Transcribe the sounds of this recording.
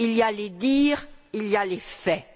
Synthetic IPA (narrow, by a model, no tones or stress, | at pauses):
ilialed̪iːʁilialefɛ